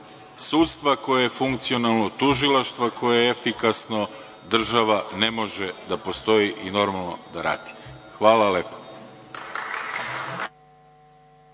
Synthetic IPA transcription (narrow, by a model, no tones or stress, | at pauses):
suːt̪st̪ʋako̞jajefuŋkt̪sio̞nalˠnot̪uʒilˠaʃt̪ʋako̞jejeefikasno̞ | d̪r̩ʒaʋane̞mo̞ʒed̪apo̞st̪o̞jiʔino̞ɾmalˠno̞d̪aɾa̰ːd̪̥i̥xʋaːlaleːpo̥